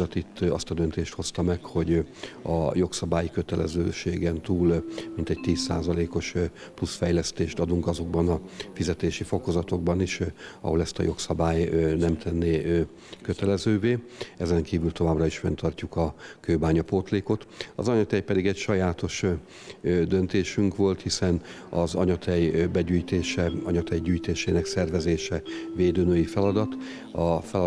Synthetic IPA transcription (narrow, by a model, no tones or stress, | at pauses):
ɒt̪it̪ːɒ̰st̪ɒd̪ønt̪eːʃt̪ho̞st̪ɒmɛkho̞ɟɒ̰jo̞ksɒbaːjikø̞t̪ɛlɛ̰zøːʃeːɡɛnt̪uːlmint̪ɛc̚t̪iːsːa̰ːzɒleːko̞ʃ | plusfɛjlɛst̪eːʃt̪ɒd̪uŋkɒzo̞ɡbɒnɒfizɛt̪eːʃifo̞ko̞zɒt̪o̞ɡ̚bɒniʃɒ̰ɦo̞lɛst̪ɒ̰jo̞ksɒbaːjnɛmt̪ʰɛnːeː | køt̪ɛlɛzøːveːɛzɛŋkiːvylt̪o̞vaːbrɒiʃfɛ̰nt̪ʰɒrcukɒkøːbaːɲɒpoːt̪leːko̞t̪ɒ̰zɒɲɒt̪ɛjpɛd̪iɡɛcʃɒjaːt̪o̞ʃ | d̪ø̞nt̪eːʃyŋkʋo̞lt̪hisɛn | ɒzɒ̰ɲɒt̪ʰɛjbɛɟyːjt̪eːʃɛɒɲɒt̪ɛjɟyːjt̪eːʃeːnɛksɛrvɛzeːʃɛveːd̪øːnøːjifɛlɒd̪ɒt̪ | ɒfɛlɒ